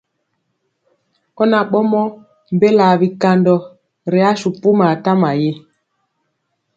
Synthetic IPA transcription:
kɔ˦na˨ɓɔ˦mɔ˦ | m˨be˦la˨βi˨ka˨ndɔ˨ | ɾe˨a˦ʃu˨pu˦ma˨ta˦ma˨je˦

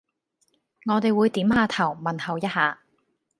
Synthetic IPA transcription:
ŋɔː˨˧t̪e˨˧jwuː˨˧jt̪iː˨˥mhaː˨˧t̪ʰɐ˨˩wmɐ˨nhɐ˨wjɐ˥t̚haː˨˧

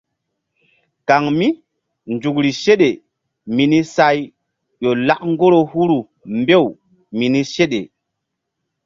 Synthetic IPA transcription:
ka˨ŋmi˦ | nd͡ʒu˨k̬ɾi˨ʃe˦ɗe˨ | mi˨ni˦sa˦j | ɗo˨la˦kŋɡo˦ɾo˨hu˦ɾu˨ | mbe˦w | mi˨ni˦ʃe˦ɗḛ˨

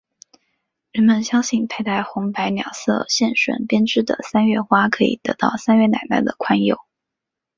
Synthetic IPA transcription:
ɻə˧˥nmə˧nɕjɑ˥ŋɕi˥˩npʰe˥˧ɪt̪a˥˩ɪxʊ˧˥ŋpa˧˥ɪnjɑ˨˩ʊsɤ̰˥˧ɕjɛ˥˩nʂwə̰˨˩npjɛ˥nʈ͡ʂɻ̩˥d̪ə̰˨sa˥nɥɛ˥˩xwa˥kʰɤ˧˥ḭ˨˩t̪ɤ̰˧˥t̪ɑ˥˩ʊsa˥nɥɛ˥˩na̰˨˩ɪna̰˥˩ɪd̪ə˩kʰwa˥njo˨˩˦ʊ

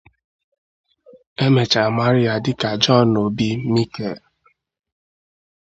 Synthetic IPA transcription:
e˦me˨t͡ʃa˨ma˦ɾi˦a˨dɪ˦ka˨d͡ʒɔ˦no˨bi˦mi˦ke˨l

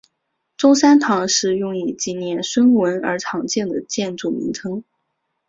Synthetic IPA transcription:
ʈ͡ʂʊ˥sa˥nt̪ʰɑ˧˥ŋʂɻ̩˥˧jʊ˥˩ŋi˨˩t͡ɕi˧˩njɛ˧˥nʂwə˥nwə˧˥nə̰˞˧˥ʈ͡ʂʰɑ˧˥ŋt͡ɕjɛ˥˩nd̪ə˩t͡ɕjɛ˥˧nʈ͡ʂu˥˩mḭ˧˥ŋʈ͡ʂʰɤ˥ŋ

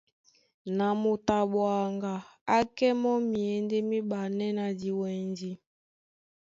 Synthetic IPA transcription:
na˨mo˨ta˨ɓwa˨ŋɡa˨a˦kɛ˦mɔ˦mi˨ɛ˨nde˦mi˦ɓa˨nɛ˦na˨di˨wɛ˨nd͡ʒi˨

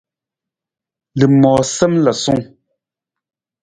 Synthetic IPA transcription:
le˨mɔː˨sɛ˦mla˨su˦ŋ

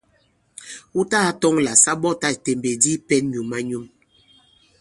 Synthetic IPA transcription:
u˦ta˦a˦tɔ˦ŋla˨sa˦ɓɔ˦ta˦˨te˨mbe˨di˦pɛ˦nɲu˨ma˦ɲu˦m

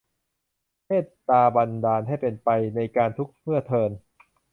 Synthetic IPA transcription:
pʰeː˥˩t̪̚ːaː˧ba˧ndaː˧nɦa˥˩jpe˧npa˧jna˧jkaː˧nt̪ʰu˦˥k̚mɯ˥˩ɐt̪ʰɤː˧n

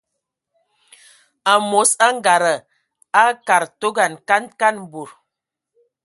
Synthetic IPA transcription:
a˨mo˨˦sa˦ŋ˦ɡa˨ɾə˨ | a˦ka˨ɾto˦ɡa˨nka˦nka˦n˨bo˨ɾ

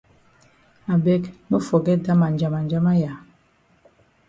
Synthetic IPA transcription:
a˨bɛ˦knu˦fɔ˨ɡɛ˦da˦ma˨nd͡ʒa˨ma˨nd͡ʒa˦ma˦ja˨

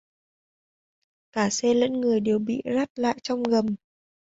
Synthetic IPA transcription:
kaː˧˩sɛ˧lə̰˧˥nŋɨ˨˩əjɗe˨˩wɓḭ˧˨za˦˥t̚la̰ː˧˨jt͡ɕɔ˧wŋ͡mɣə˨˩m

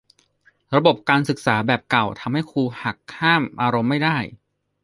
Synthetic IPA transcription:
ɾa˧bo˨˩p̚kaː˧nsɯ˨˩k̚saː˩˦bɛː˨˩p̚ka˨˩wt̪ʰa˧mha˥˩jkʰuː˧ha˨˩kʰːaː˥˩mʔaː˧ɾo˧mːa˥˩jdaː˥˩j

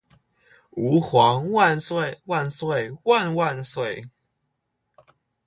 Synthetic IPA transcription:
u˨˥xwɑ˨˦˥ŋwa˥˨nswe˥˨ɪwa˥˨nswe˥˨ɪwa˥˨nwa˥˨nswe˥˨ɪ

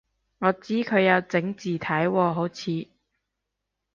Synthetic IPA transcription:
ŋɔː˨˧t͡siː˥kʰɵ˨˧ɥjɐ˨˧wt͡sɪ˨˥ŋt͡siː˨t̪ʰɐ˨˥jwɔː˧ɦo˨˥wt͡sʰiː˨˧

